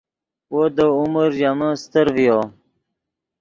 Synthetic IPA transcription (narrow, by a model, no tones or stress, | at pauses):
wod̪əuməɾʑamãst̪əɾvijo